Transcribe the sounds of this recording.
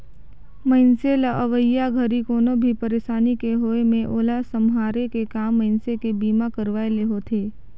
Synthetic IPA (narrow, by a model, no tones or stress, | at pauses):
mə̃ɪnselaʔəʋəjaɡʱəɾikoːnobʱipəɾeːʃaːnikeɦoːemẽʔoːlasəmɦaːɾekekaːmːə̃ɪnsekebiːmakəɾʋaːeleɦot̪ʰeː